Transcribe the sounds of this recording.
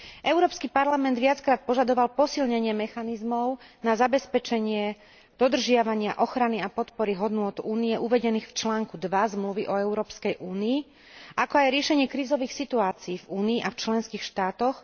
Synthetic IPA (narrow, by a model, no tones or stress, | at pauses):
ʔɛʊɾɔːpskipaɾlamɛnd̪ʋɪat͡skɾaːt̪̚pɔʒad̪ɔʋalpɔsilɲɛɲɪɛmɛxanizmɔʊnazabɛspɛt͡ʃɛɲɪɛ | d̪̥ɔd̪r̩ʒɪaʋaɲɪaʔɔxɾaniapɔt̪pɔɾiɦɔd̪nʊɔt̪uːniɛʔuʋɛɟɛniːxft͡ʃlaːŋkud̪ʋazmluʋiʔɔɛʊɾɔːpskɛjʔuːniː | ʔakɔajɾɪɛʃɛɲɪɛkɾiːzɔʋiːxsit̪uaːt͡siːvuːniːʔaft͡ʃlɛnskiːxʃt̪aːt̪ɔx